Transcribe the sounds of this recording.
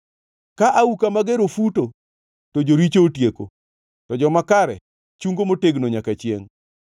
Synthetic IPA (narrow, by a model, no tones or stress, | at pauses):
kaʔaukamaɡeɾofuto | tod͡ʒoɾit͡ʃoːtjeko | tɔd͡ʒɔmakaɾɛ̰ | t͡ʃuŋɡomoteɡnoɲakat͡ʃɪḛŋ